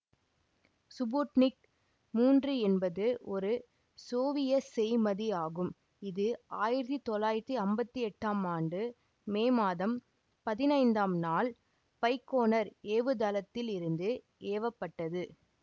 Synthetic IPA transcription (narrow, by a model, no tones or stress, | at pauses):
sʊboːʈnɪk | muːndrɯɛnbɐðɯʔɔɾɯ | soːʋɪjɐsɛjmɐðiaːɣɯm | ɪðɯaːjɪɾɐt̪ːit̪ɔlːaːjɪɾt̪ːiɐmbɐt̪ːiɛʈːaːmaːɳɖɯ | meːmaːðɐm | pɐðɪnɐɪnd̪aːmnaːl | pɐɪkːoːnɐɾeːʋɯd̪ɐlɐt̪ːɪlɪɾɯnd̪ɯ | eːʋɐpːɐʈːɐðɯ